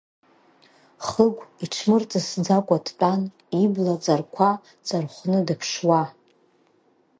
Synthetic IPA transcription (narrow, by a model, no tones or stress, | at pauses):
χəɡʷiʈ͡ʂʷʰmɨrt͡sʼɨsd͡zakʷʼatʰt͡pʼan | iblat͡sʼarkʷʰa | t͡sʼarχʷnɨdɨpʰʂwa